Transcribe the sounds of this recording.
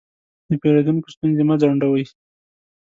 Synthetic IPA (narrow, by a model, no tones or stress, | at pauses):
d̪əpeɾed̪unko̥st̪unzemad͡zaɳɖawəji